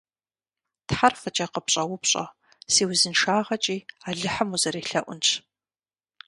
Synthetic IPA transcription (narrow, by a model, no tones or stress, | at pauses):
tħarfɐt͡ʃʼɐqəpɕʼɐwʊpɕʼɐ̰ | siːwzɨnʂaːʁɐt͡ʃʼiːaːɮɨħəmuzɐɾeːɬɐʔʷʊnt͡ʃʰ